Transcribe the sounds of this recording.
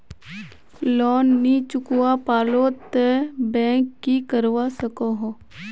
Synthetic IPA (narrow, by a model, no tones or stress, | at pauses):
lɔːnːit͡ʃʊkwapaːlot̪ebɛ̃ːkːikəɾwasəkoɦo